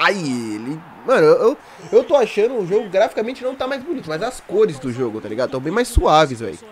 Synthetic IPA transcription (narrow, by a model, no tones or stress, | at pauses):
ajelɪ | mɐ̃nʊewew | ewt̪oaʃɐ̃nd̪ʊʊʒoɡʊɡɾafikamẽnt͡ʃɪnɐ̃w̃t̪amajzbonit̪ʊmɐzɐskoɾɪzd̪ʊʒoɡʊt̪alḭɡad̪ʊt̪ɐ̃w̃bẽj̃majsuavɪzvɛ̰j